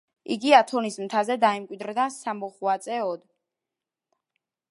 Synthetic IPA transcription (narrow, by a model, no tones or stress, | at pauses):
iɡiat̪ʰɔnismt̪ʰazɛd̪aɛmkʼwid̪ɾd̪asamɔχwat̪sʼɛɔd̪